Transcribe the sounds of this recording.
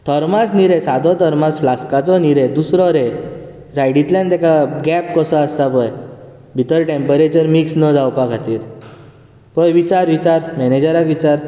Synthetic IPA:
t̪ʰəɾmat͡sniɾẽsad̪ʱɔt̪ʰəɾmat͡sflaskat͡sɔniɾẽd̪usɾɔɾe | d͡zaiɽit̪lãnt̪ɛkaɡɛp̚kɔsɔəst̪apəj | bʱit̪əɾʈempəɾet͡ɕəɾmiksnəd͡zʱawpakʰat̪iːɾ | pəjʋit͡ɕaɾʋit͡ɕaɾmɛned͡ʑəɾakʋit͡ɕaɾ

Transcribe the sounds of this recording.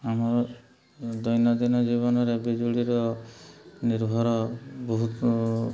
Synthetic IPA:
amɔɾɔ | d̪ɔjnɔd̪inɔd͡ʒiβɔnɔɾebid͡ʒuɭiɾɔ | niɾbʱɔɾɔbɔɦu

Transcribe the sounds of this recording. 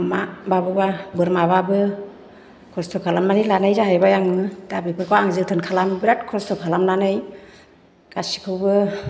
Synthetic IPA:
mababɯbabɯɾmaβabɯ | kʰɔstʰɔkʰalamnanɯlanɯjzaɦajbajaŋɯdabipʰɯkʰawaŋzɯtʰɯnkʰalambɾat̚kʰɔstʰɔkʰalamnanɯj | kasi̥kʰɯwbɯ

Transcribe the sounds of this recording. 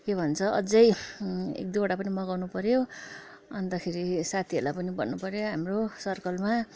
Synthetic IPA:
kebʱʌnt͡sʰʌʔʌd͡zʌjḛk̚d̪uɽapʌnimʌɡawnupʌɾjo | ʌnd̪akʰeɾisat̪ʰiʌrlapʌnibʌnːupʌɾjoɦamrosʌrkʌlma

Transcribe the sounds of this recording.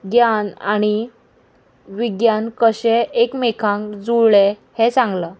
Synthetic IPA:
ɡjanaɽ̃i | ʋiɡjankəɕɛ̃ʔekmekʰãŋkd͡zuɭɭehet͡sãŋɡlə

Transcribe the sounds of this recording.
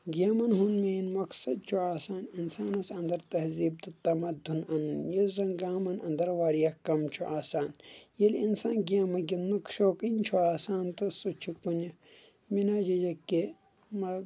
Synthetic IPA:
ɡiaːmɐnɦunmeinmɐksɐd̪̚t͡ʃʰuaːsaːninsaːnɐsɐ̃nd̪ɐɾt̪ɐhziːb̚t̪ɨt̪ɐmɐd̪ʱːunɐnnjɐzɐnɡaːmɐnɐ̰nd̪ɐɾʋaːɾijɐkɐmt͡ʃʰuʔaːsaːnjɐlinsaːnɡiaːmɐɡʲinːukʃoːkinʲt͡ʃʰuaːsaːnt̪ɨsut͡ʃʰikːunɐ | minaːd͡ʒɐd͡ʒɐkːe | mɐ

